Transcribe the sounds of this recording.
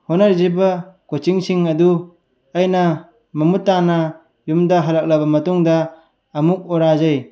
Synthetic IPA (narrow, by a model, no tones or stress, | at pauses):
honaɾzebakot͡ʃiŋsiŋɐdu | ajna | mɐmutːana | jumdaɦalak̚labɐmɐtuŋdaː | muk̚oɾazaj